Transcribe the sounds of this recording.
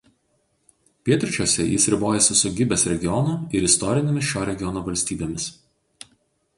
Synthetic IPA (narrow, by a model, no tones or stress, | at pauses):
pʲiɛt̪ʲɾʲɪt͡ʃʲoːsʲɛjɪsɾʲɪboːjɛsʲɪsʊɡʲɪbʲɛsɾʲɛɡʲɪɔnʊɪɾɪst̪ɔɾʲɪnʲemʲɪsʃʲoːɾʲɛɡʲɪɔnoːʋɐlʲsʲt̪ʲiːbʲeːmʲɪs